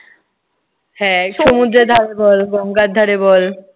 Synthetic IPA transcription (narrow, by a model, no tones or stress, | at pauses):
hɛ̃ʃumud̪ɾed̪ʱaɾebɔlɡɔŋkad̪d̪ʱaɾebɔl